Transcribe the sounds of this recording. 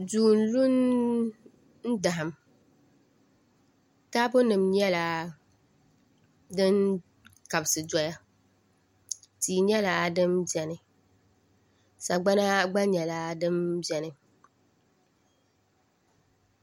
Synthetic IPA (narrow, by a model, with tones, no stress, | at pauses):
duː˨n˨lu˦n | n̩˦da˨ɦa˨m | taː˦bʊ˦nɨ˨mɲɛ˦la˨ | dɨ˦n | ka˨bsɨ˨d͡ʒɔ˦ja˦ | tiː˨ɲɛ˦la˨dɨ˦mbɛ˨nɨ˨ | sa˨ɡ͡ba˦na˦ɡ͡ba˦ɲɛ˨la˦dɨ˦mbɛ˨nɨ˨